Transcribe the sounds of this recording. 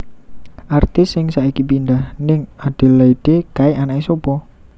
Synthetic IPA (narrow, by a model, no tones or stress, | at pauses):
ʔart̪ɪsːɪŋsaʔikipind̪ahnɪŋad̪̥e̤lːaid̥ekaeʔanaʔesopɔ